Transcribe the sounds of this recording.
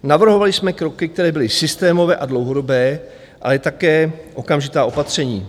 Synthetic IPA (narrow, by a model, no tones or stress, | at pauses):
navr̩ɦo̞valɪsmɛkɾokɪk̚t̪ɛɾɛːbɪlɪsɪst̪ɛːmo̞vɛːʔadlo̞wɦo̞do̞bɛː | ʔa̰lɛt̪akɛːʔo̞kamʒɪt̪aːo̞pat̪r̝̥ɛɲiː